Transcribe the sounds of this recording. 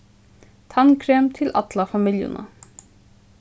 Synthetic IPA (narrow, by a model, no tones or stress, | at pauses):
t̪ʰɑŋkʰɾeːmt̪ʰɪlʔɑt̪ʰlɑfɑmɪljʊ̰nə̰